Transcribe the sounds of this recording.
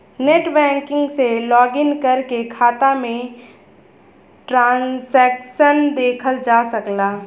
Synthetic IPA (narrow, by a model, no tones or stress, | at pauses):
neːʈbɛ̃ːŋkɪ̃ŋɡselɔːɡɪnkɐɾkekʰaːt̪amẽ | ʈɾãːnsɛːkʃənd̪eːkʰəld͡ʒaːsɐəklaː